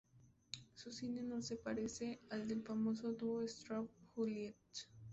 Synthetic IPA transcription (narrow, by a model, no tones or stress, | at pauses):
susinenõsepɐɾeseɐld̪elfɐmoːsod̪uoest̪ɾɔp̚huliet